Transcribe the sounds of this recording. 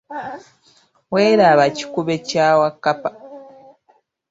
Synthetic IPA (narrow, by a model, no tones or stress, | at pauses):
we̞ːɾaβaci̥kuβe̞cawakːapḁ